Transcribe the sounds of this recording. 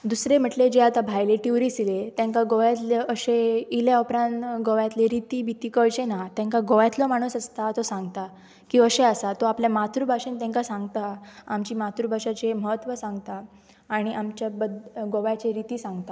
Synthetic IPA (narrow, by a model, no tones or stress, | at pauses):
d̪usɾem̤əʈled͡ʑeat̪abʱajleʈiwɾisilet̪jãŋkaɡoʋjat̪leʔəɕeileupɾãnt̪ɡoʋjat̪leɾit̪iːbʱit̪iːkəɭt͡ɕenat̪jãŋkaɡoʋjat̪lɔmaɽ̃usast̪at̪osãŋɡt̪a | kiəɕeəsat̪oapljamat̪ɾubʱaʂent̪ɛ̃ŋkasãŋɡt̪aamt͡ɕiːmat̪ɾubʱaʂat͡ɕeməɦət̪ʋəsãŋɡt̪aː | ɽ̃iʔamt͡ɕjabəd̪ɡoʋjat͡ɕeɾit̪iːsãŋɡt̪a